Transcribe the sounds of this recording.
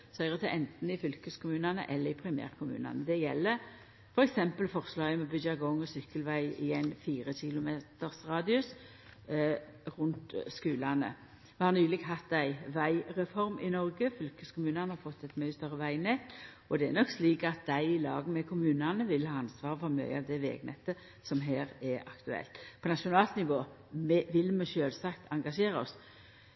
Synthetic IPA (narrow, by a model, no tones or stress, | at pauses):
sœʏʁət̪ʰɪʔɛnt̪n̩ɪfʏlkəskʊmʉːnɑnə̰ʔɛlːəɪpʰɾɪmæ̰ːʁkʰʊmʉ̰ːnɑ̰nəd̪ɛjɛlːə | fɔɾɛksɛmpəlfɔʁslɑːɡəmɛbʏdɑɡɔŋːɔsʏkəlʋæɪɪ̰jɛɪnfiːɾəçɪlʊmeːt̪əʁsʁɑːd̪ɪʉs | ɾʊnt̪skʉːlɑnə̰ | ʋɛhɑʁnyːlɪɡɦɑt̪ːæɪʋæɪɾɛfɔɾmɪnɔɾɡəfʏlkəskʰʊmʉːnɑnəhɑɾfɔt̪ːɛt̪mœʏst̪œɾːəʋæɪnɛt̪ː | ɔd̪ɛænɔksliːkɑt̪̚d̪æɪɪlɑ̰ːɡəmɛkʰʊmʉːnɑnəʋɪlhɑːɑnsʋɑːʁəfɔɾmœ̰ʏɑʋd̪ɛʋḛːɡnɛ̰t̪ːə | sɔmɦeːɾɛɑ̰kt̪ʉɛ̰lt̪pʰɔnɑʃʊnɑːlt̪nɪʋoː | mɛʋɪlmɛʃøːlsɑkt̪ʰɑŋɡɑʂeːɾɔs